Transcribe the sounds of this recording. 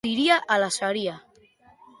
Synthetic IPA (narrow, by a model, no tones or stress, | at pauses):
iɾiaʔalasaɾia